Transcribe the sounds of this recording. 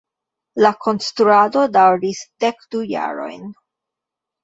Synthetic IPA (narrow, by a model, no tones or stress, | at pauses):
lakʰo̞nstɾuado̞dawɾisd̥ekd̥uja̰ɾo̞̰jn